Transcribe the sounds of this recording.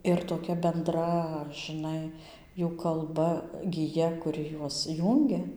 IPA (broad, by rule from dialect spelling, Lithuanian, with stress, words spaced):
ɪr toːˈkʲɛ bʲɛnˈdrɐ ʒʲɪˈnɐɪ ˈjuː kɐlˠˈbɐ ɡʲɪˈjɛ kʊˈrʲɪ ˈjuɔs ˈjuːŋʲɡʲɛ